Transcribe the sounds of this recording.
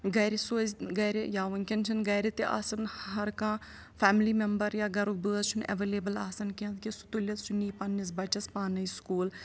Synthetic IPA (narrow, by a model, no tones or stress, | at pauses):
ɡɐːɾesoːzɡɐːɾejaːʋɐnkʲɐnt͡ʃʰɐnɡɐːɾet̪eʔa̰ːsɐnɦɐɾkãː | pʰɛːmliːmembəɾjaːɡɐɾubɨːɐzt͡ʃʰunɐ̰ʋeleːbɐlaːsɐnket̪kisu̥t̪ulʲɐsuniːpɐnːisbɐt͡ʃɐspaːnɐiskuːl